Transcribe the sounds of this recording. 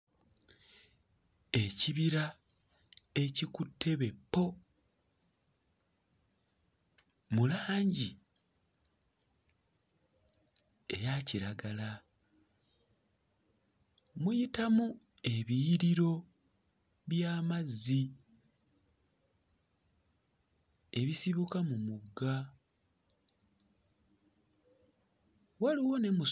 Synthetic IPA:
e̞ciβiɾa | e̞cikutʰːe̞βe̞pːo̞ | mulaːɲɟi | ḛjaciɾaɡala | mujitamu | e̞βiːɾiɾo̞ | βjaːmazːi | e̞βisiβukamumuɡa | waliwo̞ne̞mu

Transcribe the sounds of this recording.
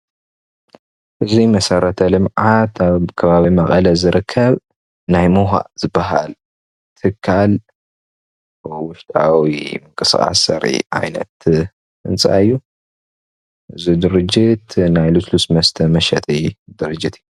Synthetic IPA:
ʔɨzimɐsɐrɐt̪ʰɐlɨmʕat̪ʰaβkʰɐβaβimɐχʼɐlɐzɨɾɨkʰːɐβ | najmuɦa̰ʔz̥ɨbːɐɦa̰l | t̪ʰɨkʰːal | wʊʃt̪ʼa̰wimɨŋkʼɨsxʼa̰sɐ̰ɾḭʔa̰jnɐ̰t̪ | ɨnt͡sʼa̰ɨjːu | ʔɨzid̪ɨɾɨd͡ʒɪt̪najluslusmɐst̪ʰɐmɐʃɐt̪ʼijd̪ɨɾɨd͡ʒːit̪ʰɨjːu

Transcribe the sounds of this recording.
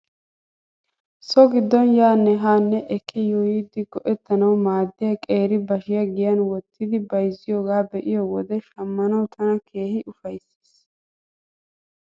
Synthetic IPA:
sɔɡɪd̪ːɔnjaːnːɛɦaːnːɛʔɛkʰːɪjɔjiːd̪ɪɡɔʔɛt̪ːɐnɐwmaːd̪ːɪjɐkʼeːɾɪbɐʃɪjɐɡɪjɐnwɔt̪ːɪd̪ɪbɐjzɪjoːɡaːbɛʔɪjɔwɔd̪ɛʃɐmːɐnɐwt̪ʰɐnɐkʰeːhɪʔʊfɐjse̥ːs

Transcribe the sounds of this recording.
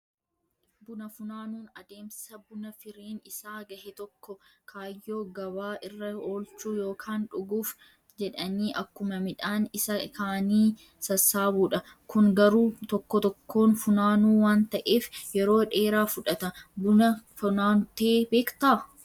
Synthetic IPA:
bʊnɐfʊnaːnuːnɐd̪eːmsɪ̥sɐbʊnɐfɪɾiːnɪsaːɡɐhɛt̪ɔkːɔkʰaːjːo̞ːɡɐβaːʔɪrːɐo̞ːlt͡ʃuːjo̞ːkʰaːnᶑʊɡuːf | d͡ʒɛᶑɐniːʔɐkːʊmɐmɪᶑaːnɪsɐkaːniː | sɐsaːbuːᶑɐ | kʊŋɡɐɾuːt̪ɔkːɔt̪ɔkʰːo̞ːnfʊnaːnuːwaːnt̪ɐʔeːfjɛɾo̞ːᶑe̞ːɾaːfʊᶑɐt̪ɐbʊnɐfʊnaːnt̪eːbe̞ːkt̪aː

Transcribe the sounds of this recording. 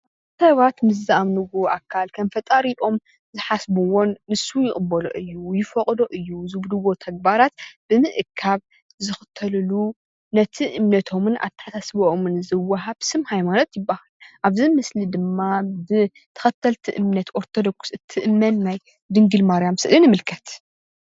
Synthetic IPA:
ʔa | sɐβat̪mɨs̬zɨʔamnɨɡoʔakʰːalkʰɐmfɐt̪ʼaɾiʔo̞m | zɨħasbuwonːɨsːujɪkʼɨbːɐloʔɨjːujɪfɐqʼd̪oʔɨjːuzɨbd̪ɨwo̞t̪ʰɐɡ̚baɾat̪̚b̥ɨmɨʔɨkʰːaβ | zɨxɨ̥t̪ʰːɐlɨlu | nɐt̪ʰiʔɨmnɐt̪ʰo̞mɨnʔa̰t̪ʰɐ̥ħasasbʔomɨnzɨwːɐɦaβsɨmhajmano̞t̪jɪbːahaluʔaβzimɨslid̪ɨmːabɨ | t̪ʰɐ̥xɐt̪ʰːɐlt̪ʰiʔɨmnɐt̪ʔo̞ɾt̪ʰod̪o̞ksɨt̪ʰːɨʔɨmɐnːaj | d̪ɨŋɡɨlmaɾjamsɨʔlinɨmɨlkʰɐt̪

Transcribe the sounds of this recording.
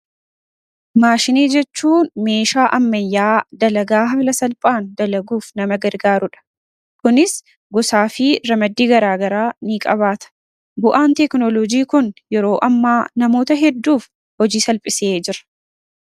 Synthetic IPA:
maːʃɪneːd͡ʒɛt͡ʃːuːnme̞ːʃaːʔɐmːɐjːaːd̪ɐlɐɡaːɦɐmlɐsɐlpʼaːnd̪ɐlɐɡuːfnɐmɐɡɐɾɡaːɾʊᶑɐ̥ | kʊnɪs | ɡɔsaːfɪɾɐmɐd̪ːiːɡɐɾaːɡɐɾaːnikʼɐβaːt̪ɐ̥ | bʊʔaːnt̪ɛknɔlɔd͡ʒiːkʊnjɛɾo̞ːʔɐmːaːnɐmo̞ːt̪ɐɦɛd̪ːuːf | hɔd͡ʒiːsɐlpʼɪseːd͡ʒɪɾɐ̥

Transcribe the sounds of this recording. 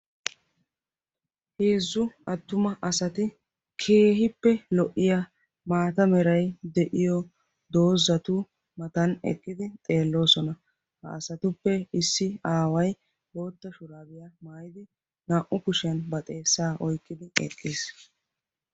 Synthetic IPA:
heːzːʊɐt̪ːʊmɐʔɐsɐt̪ɪ | kʰe̞ːɦɪpːɛlɔʔɪja | maːt̪ɐmɛɾɐjd̪ɛʔɪjɔ | d̪o̞ːzɐt̪uː | mɐt̪ɐnɛ̰kʼːɪd̪ɪt̪ʼe̞ːlːo̞ːsɔnɐ | hɐ̰ːsɐt̪ʊpːɛɪsːɪaːwɐj | bo̞ːt̪ːɐʃʊɾaːbɪjɐmaːjɪd̪ɪ | naːʔʊkʊʃɪjɐnbɐt̪ʼe̞ːsːaːʔɔjkːɪd̪ɪɛ̰kʼːiːs

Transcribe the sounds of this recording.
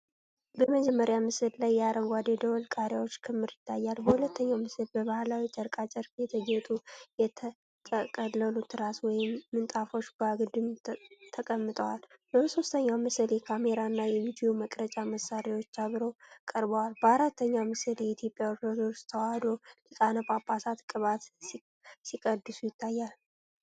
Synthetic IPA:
bəməd͡ʒɛmːəɾjamɨsɨllajːaɾəŋɡʷad̪ed̪əwlkʼaɾjawot͡ʃːkʰɨmːɨɾɪt̪ʰːajːalbəhulət̪ʰːəɲːawmɨsɨlbəβahlawit͡ʃʼəɾkʼat͡ʃʼɛɾfjɛt̪ʰəɡɛt̪ʼujɛt̪ʰə | t̪ʼəkʼəlːəlut̪ʰɨɾaswɔjɪmːɨnt̪ʼafo̞t͡ʃːbaɡɨd̪ɨmt̪ʰəkʼəmːɨt̪ʼəwalbəso̞st̪ʰəɲːamɨsɨljɛkʰame̞ɾaɨnːajɛvid̪ijo̞məkʼɾət͡ʃʼaməsːaɾiwo̞t͡ʃːaβɾokʼəɾbəwalbəaɾat̪ʰːəɲːamɨsɨljɛit̪ʰjo̞pʼjawipod̪oɾst̪ʰəwad̪o̞lɨkʼanəpʼapʰːasat̪kʼɨβat̪ | sikʼəd̪ːɨsujɪt̪ʰːajːal

